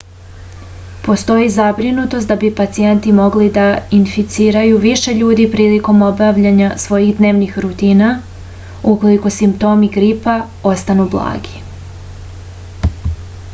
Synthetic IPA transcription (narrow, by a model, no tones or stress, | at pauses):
po̞st̪o̞jizabɾinut̪o̞st̪d̪abipat̪sije̞nt̪imo̞ɡlid̪ainfit̪siːɾajuʋiʃe̞ʎuːd̪ipɾiːliko̞mo̞baʋʎaɲasʋo̞jixd̪ne̞ːʋnixɾut̪iːna | uko̞liko̞simpt̪o̞ːmiɡɾipa | o̞st̪anublˠa̰ːɡi̥